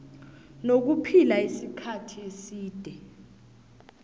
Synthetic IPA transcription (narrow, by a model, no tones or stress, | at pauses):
nok̬upʰilaisikʰatʰiesiːd̥ʱɛ